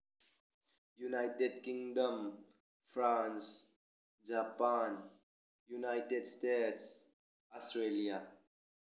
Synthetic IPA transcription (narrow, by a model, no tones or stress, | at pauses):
junajʈeɖkĩŋɖəm | fɾans | d͡ʒapan | junajʈeɖsʈeʈs | ɔsʈɾelija